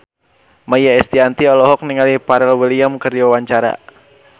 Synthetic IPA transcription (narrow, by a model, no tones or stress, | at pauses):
majaɛst̪iant̪iɔlɔɦɔk̚niŋalipaɾɛlwiliamkəriwawaɲt͡ʃaɾa̰